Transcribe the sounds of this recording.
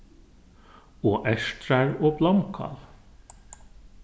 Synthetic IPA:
oːʔæʃtɾæɹoːblɑmkʰɑ̰l

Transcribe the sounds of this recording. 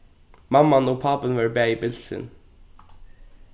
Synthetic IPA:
mɑmɑnoːpʰɑːpənʋɑːɹbæːiːbɪlsɪ̰n

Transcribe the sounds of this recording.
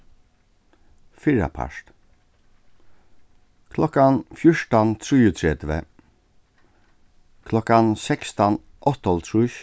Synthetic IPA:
fiɹɑ̰pʰæ̰ʂʈ | kʰlɔkɑnfjʊʂʈɑnt̪ʰɹiːʉt̪ʰɹɛt̪ʋə̰ | kʰlɔkɑnsɛkst̪ɑn | ʔɔt̪ɔlt̪ʰɹʉːʃ

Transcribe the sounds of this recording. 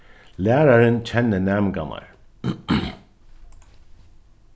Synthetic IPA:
læːɹaɹənt͡ɕʰɛnːənæːmɡa̰ma̰ɹ

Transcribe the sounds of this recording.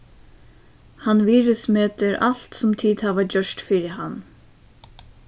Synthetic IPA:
hanʋiːɹʏsmøːt̪ɪɾʔal̥t̪sʊmt̪ʰiːt̪haʋad͡ʒœʂtfiːɾɪɦan

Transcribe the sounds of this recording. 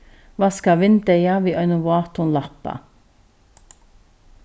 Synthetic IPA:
ʋɑːskɑʋɪnt̪əjɑːʋiːʔœʏnʊʋɑːt̪ʊnlɑpɑ̰

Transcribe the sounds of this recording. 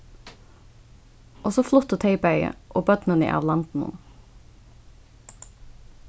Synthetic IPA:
ʔoːsoflʊt̪ət̪ʰeɪbœʏə̰ʔoːbœd̪̥nənḭʔɑ̰ːʋlɑnt̪n̩ʊ̰n

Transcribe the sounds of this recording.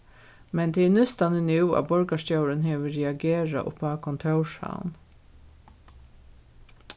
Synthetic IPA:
mɛnd̪ɛɛnʉst̪ɑnənʉːɑ̰ːbɔɹɡɑʃt̪jɑʊɾənheːʋəɾɛɑɡeːɹɑ̰ʔʊ̰pɑːkʰɔnt̪ʰɑʉʃɑ̰ʊn

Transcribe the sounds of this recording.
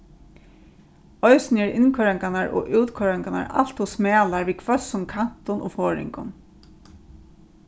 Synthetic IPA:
ɔjsnɛɹɪnkʰœɹaŋkanaɹʔɔ̰ʔuwt̪kʰœɹaŋkana̰ɹa̰l̥t̪hʊsmɛːlaɹʋiːkʰvœsʊnkʰan̥t̪ʊnʔɔ̰ːfɔːɹɪ̰ŋkʊn

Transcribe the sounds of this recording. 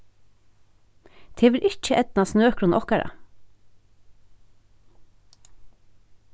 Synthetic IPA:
t̪ʰeːʋɪɾʔɪc͡çəʔɛd̪n̩ɑːsnøːkʰɾuːnʔɔkæɾə̰

